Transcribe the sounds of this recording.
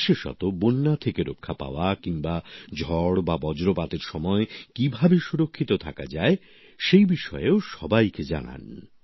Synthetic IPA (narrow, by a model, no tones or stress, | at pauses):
ʃeʃɔ̰t̪obonːat̪ʰekeɾokʰːapa̰oakiŋbad͡ʑʱɔɽbabɔd͡ʑɾopat̪eɾʃɔmɔekibʱabeʃuɾokʰːit̪ot̪ʰakad͡ʑae | ʃejbiʃɔeoʃɔbajked͡ʑa̰na̰n